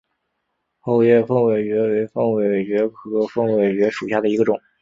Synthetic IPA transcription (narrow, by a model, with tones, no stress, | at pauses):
xo˥˧ʊjɛ˥˧fɤ˥˧ŋwe˨˩ɪɥɛ˧˥we˧˥ɪfɤ˥˧ŋwe˨˩ɪɥɛ˧˥kʰɤ˧˥fɤ˥ŋwe˨˩ɪt͡ɕɥɛ˧˥ʂu˨˩ɕja˥˩d̪ə˩i˧˥ɡə˧ʈ͡ʂʊ˨˩˦ŋ